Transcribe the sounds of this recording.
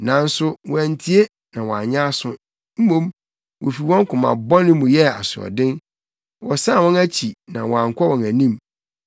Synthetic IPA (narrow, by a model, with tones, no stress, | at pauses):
nã˨n̩˦sʊ˦wɔ̃˨æ˨n˨tʰi˦e˦ | nã˨wɔ˨a̰˨ɲã˦sʊ̃˦ | m̩˦mõ˦˨m | wʔo˨fi˨wɔ̃˦ŋ˦kʰʊ̃˨mã̰˨bɔ̃˦nɪ̃˦mũ˨jɛ˦a˨sʊ˨ɔ̰˨dɪ̃˦n | wɔ˨sã˦˨wɔ̃˦næ˦t͡ɕʰi˨nã˨wɔ˨ã˨ŋ˨kʷʰɔ˦wɔ̃˨næ˨nĩ˦m